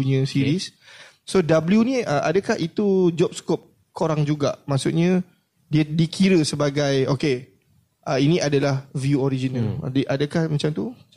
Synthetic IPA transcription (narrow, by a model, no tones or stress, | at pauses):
uɲə̃siɾis | sodabljunĩəʔa̰dəkaɦit̪ud͡ʒɔp̚skop̚ | koɾaŋd͡ʒuɡaʔmasut̪̚ɲã | diədikʰiɾəsəbaɡajoke | ʔəinĩʔadalahvjuoɾid͡ʒinaldiʔadəkahmat͡ʃamt̪u